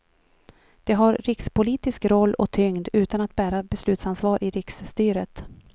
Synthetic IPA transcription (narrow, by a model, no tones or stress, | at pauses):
d̪̥ɛɦaɾɾɪkspʊliːt̪ɪskɾɔlːɔ̰t̪ʰʏŋd̪ʉ̟ːt̪anat̪̚bæːɾabɛslʉ̟ːt̪sansvɑːɾʔɪɾɪksːt̪yːɾət̪